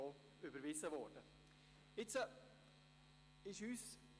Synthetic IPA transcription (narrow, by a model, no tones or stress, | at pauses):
ɔ | ybəɾvɪsəvɔɾd̥ə | ɪt͡sə | ɪʃyːs